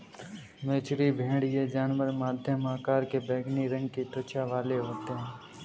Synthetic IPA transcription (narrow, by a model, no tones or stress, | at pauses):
meːt͡ʃɾibʱẽːɽjed͡ʒaːnʋəɾmaːd̪ʱjəmaːkaːɾkebeːɡniɾɐ̃ŋɡ̚kiʈ̪ʊt͡ʃaʋaːleɦoːt̪eɦɛ̃ː